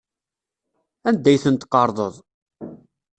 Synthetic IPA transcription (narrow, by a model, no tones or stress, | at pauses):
ænd̪ːæjθənt̪qɑɾˤðˤəðˤ